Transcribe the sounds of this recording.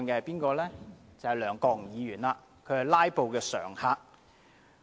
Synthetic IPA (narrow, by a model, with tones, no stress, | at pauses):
nkɛː˧ɐ˨jpiː˥nkɔː˧lɛː˥t͡sɐ˨˩hjlœː˨˩ŋkɔː˧ŋ˨jiː˨˧jyː˨˩nlaː˧ | kʰɵ˨˧hɐ˨˩jlaː˥jpo˨wkɛː˧sœ̰ː˨˩ŋhaː˧k̚